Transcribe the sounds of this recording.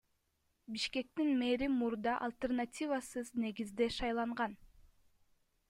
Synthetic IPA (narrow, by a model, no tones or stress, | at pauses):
biʃke̞k̚t̪inme̞ɾimuɾd̪ɑʔalʲˠt̪e̞rnatʲivasɯzne̞ɡizd̪e̞ʃɑjlˠɑɴʁɑn